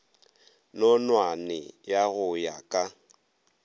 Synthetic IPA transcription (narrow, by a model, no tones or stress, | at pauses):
nɔnwanɪjaɣʊjakʼa